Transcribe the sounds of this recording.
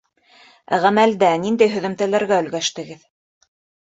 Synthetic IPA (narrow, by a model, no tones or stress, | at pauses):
æʁæmæld̪ænind̪æjɦɵ̆ðɘ̆mt̪ælæɾɡæɵ̆lɡæʃt̪ɘ̆ɡɘð